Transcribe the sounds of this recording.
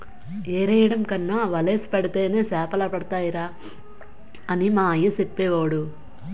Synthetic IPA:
eːɾɐjɐɽɐmkɐnːaːʋɐleːsi̥pɐɽit̪e̞ːne̞ːsɛːpɐlɐpɐɽɐt̪aːjiɾaː | ɐnimaːɐjːɐsepːɛːʋaːɽu

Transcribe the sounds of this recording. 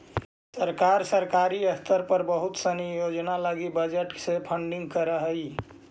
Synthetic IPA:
səɾkaɾsəɾkaɾiəst̪əɾpəɾbəɦut̪sənijod͡ʒnalaɡibəd͡ʒəʈsepʰəɳɖiŋɡ̚kəɾəɦəj

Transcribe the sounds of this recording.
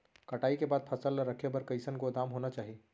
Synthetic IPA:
kɐʈaːikebaːd̪̚pʰɐsəlːəɾəkʰjebɐɾkɐɪsənkod̪aːmɦoːnat͡ʃaːɦieː

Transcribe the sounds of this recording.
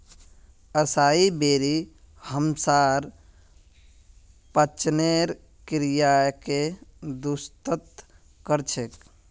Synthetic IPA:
əsaibeɾi | həmsaɾ | pət͡ʃneɾ | kɾijaked̪ust̪ət̪ | kəɾt͡ʃʰek

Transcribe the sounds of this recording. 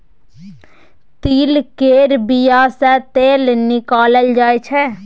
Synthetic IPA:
t̪iːlkeːɾbijasɛt̪eːlnɪkaːləld͡ʒaːet͡ʃʰɛ

